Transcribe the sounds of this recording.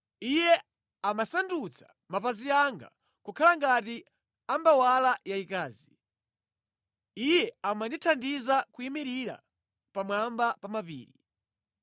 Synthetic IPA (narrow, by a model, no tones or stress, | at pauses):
ijɛ | amasandut͡sʰḁ | mapaziaŋɡa̰ | kukʰalaŋɡati | ambawalajaikaːzi | ijɛamanditʰandizakuimiɾiɾa̰ | pamwambapamapḭːɾi